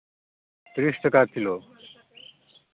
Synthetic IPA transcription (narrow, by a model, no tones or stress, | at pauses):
t̪ɾiʃʈəkaɾt̪ʰilo